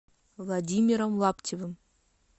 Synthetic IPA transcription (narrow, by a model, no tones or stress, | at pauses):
vlˠadʲimʲiɾəmlˠaptʲevəm